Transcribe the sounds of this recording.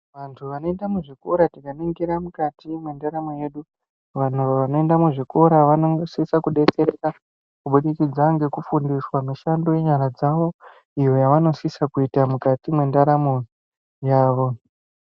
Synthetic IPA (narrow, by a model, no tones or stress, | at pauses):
ʋantʰuʋano̞endamuʐiko̞ɾatikaniŋɡiɾamukatimwe̞ndaɾamo̞je̞ːɗu | ʋan̤uʋʋanoe̞ndamuʐiko̞ɾaʋanosisakuɗe̞t͡se̞ɾe̞ka | kuɓuɗikid͡zaŋɡe̞kufundiswamiʃando̞je̞ɲaɾad͡zaʋo̞ | ijo̞jaʋano̞sisakuitamukatimwe̞ndaɾamo̞ | jaːʋo̞